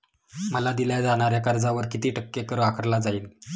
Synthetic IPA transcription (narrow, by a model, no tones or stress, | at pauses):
məlad̪iljad͡zaɽ̃aɾjakaɾd͡zaʋəɾkit̪iːʈəkːekəɾakʰəɾlad͡zaiːn